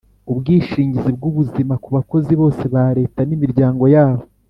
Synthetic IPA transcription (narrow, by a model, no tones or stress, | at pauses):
ubɡiːʃiːɲɟizib̚ɡuβuzimakuβako̞ziβo̞ːse̞βaɾe̞ːtanimiɾɟaːŋɡo̞jaːβo̞